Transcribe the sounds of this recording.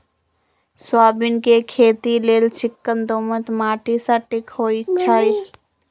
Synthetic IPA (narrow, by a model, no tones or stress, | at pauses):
swaːbɪnkekʰeːt̪ileːlt͡ʃɪkːənd̪oːmət̪maːʈisãʈɪkhoːit͡ʃʰai